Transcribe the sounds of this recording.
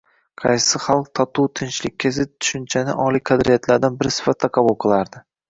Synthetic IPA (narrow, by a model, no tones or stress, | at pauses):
qʰɑjsɪχɑlˠq̚t̪ʰɒt̪ʰuwt̪ʰɪnt͡ʃlɪk̚ʲʰːezɪp̚t̪ʰʊ̥ʃʊnt͡ʃʰanɪ̰ʔɒlˠiqʰɑd̪ɾijat̪ʰlaɾd̪anbɪɾsɪ̥fat̪ʰːaqʰɑbʊlˠqʰɨlˠaɾd̪ɪ